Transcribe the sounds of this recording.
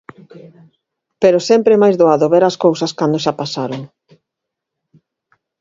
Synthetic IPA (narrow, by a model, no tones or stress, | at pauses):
peɾosɛmpɾemajzðoaðoβeɾaskowsɐskand̪oʃapasaɾoŋ